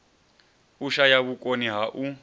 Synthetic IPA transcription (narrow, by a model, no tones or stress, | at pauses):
uʃajaβukʼoniɦaʔu